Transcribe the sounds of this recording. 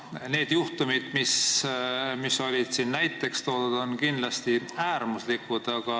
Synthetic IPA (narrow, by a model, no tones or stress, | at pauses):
ne̞ːd̪̥juht̪umid̪̥mis | misːo̞lʲid̪̥siːnnæjt̪ːˑe̞kst̪o̞ːd̪ud̪o̞nkind̪lɑst̪iæːrmuslikːud̪̥ɑɡ̥ɑ